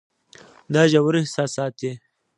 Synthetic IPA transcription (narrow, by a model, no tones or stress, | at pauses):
d̪ɑʒawɾihsɑsɑːt̪e